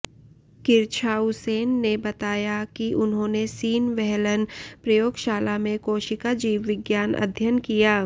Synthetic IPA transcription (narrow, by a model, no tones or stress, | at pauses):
kɪɾt͡ʃʰaːʊseːnːebɐt̪aːjakiʔʊnɦõːnesiːnʋɛɦlənpɾɐjoːɡʃaːlamẽkoːʃikad͡ʒiːʋʋɪɡjaːnɐ̰d̪ʱjənkijaː